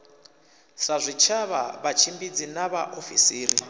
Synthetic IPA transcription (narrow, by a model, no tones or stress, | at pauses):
sazʷit͡ʃʰaβaβat͡ʃʰimbid͡zinaβaʔofisiːri